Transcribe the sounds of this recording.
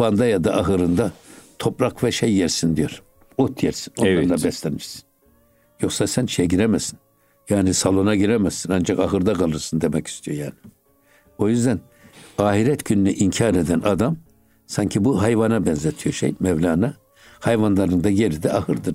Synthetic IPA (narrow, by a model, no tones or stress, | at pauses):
and̪ajad̪aʔaɦɯɾɯnd̪at̪ʰo̞pɾakvɛʃejːɛɾsind̪ijoɾ | ot̪ʰjɛɾsi̥noaabɛslʲɛniʃsi̥n | jo̞xsasænʃejɛɟiɾemɛzsi̥n | jaːnisalˠo̞naɟiɾɛmɛsinand͡ʒakaɦɯɾd̪aɡalˠɯɾsɯnd̪emɛci̥st̪ʰijo̞jaːni | o̞jyzd̪æn | aːɦiɾɛt̪ɟynynyʔiɲcʰaːɾed̪ænad̪am | saɲcʰibuɦajvanabɛnzet̪ʰijoʃḛjmɛvlʲaːna | hajvanlˠaɾɯnd̪aɟe̞ɾid̪ɛahɯɾd̪ɯɾ